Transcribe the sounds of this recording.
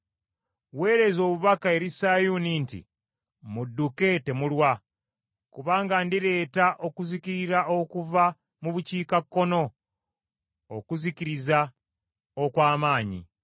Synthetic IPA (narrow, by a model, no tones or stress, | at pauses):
we̞ːɾe̞zo̞ːβuβakae̞ɾisajunintḭ | mudːuke̞te̞mulwa | kuβaːŋɡandiɾe̞ːtaʔo̞kuzikiɾiɾaokuva | muβuciːkakːo̞no̞ | okuziciɾiza | okwaːmaːɲḭ